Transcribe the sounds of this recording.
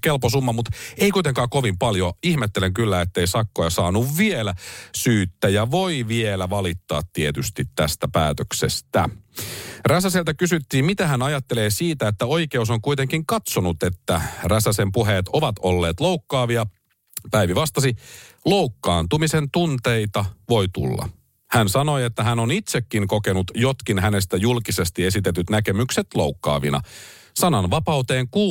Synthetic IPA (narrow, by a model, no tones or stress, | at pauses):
kelposumːɑmut̪eikuit̪eŋkɑːkoʋimpɑljoihmet̪ːeleŋkylːæet̪ːeisɑkːojɑsɑːnuʋʋielæsyːt̪ːæjɑʋoiʋielæʋɑlit̪ːɑ̰ːt̪tiet̪yst̪it̪tæst̪æpæ̰ːt̪øksḛst̪æ̰ | ræsæselt̪ækysyt̪ːiːmmit̪æɦænɑjɑt̪ːeleːsiːt̪æet̪ːæoike̞us̬oŋkuit̪eŋkiŋkɑt̪sonut̪et̪ːæræsæsempuɦeːt̪o̞ʋɑt̪olːe̞ːt̪lowkːɑːʋiɑ | pæjʋiʋɑst̪ɑsilo̞wkːɑ̰ːnt̪umise̞nt̪unt̪e̞jt̪ɑʋo̞jt̪ṵlːɑ̰ | hænsɑno̞jet̪ːæɦænonit̪se̞kːiŋko̞ke̞nut̪jo̞t̪k̟inɦæne̞st̪æjulkise̞st̪ie̞sit̪e̞t̪yt̪næke̞mykse̞t̪lo̞ukːɑ̰ːʋḭnɑ̰ | sɑnɑnʋɑpɑwt̪e̞ːŋkuː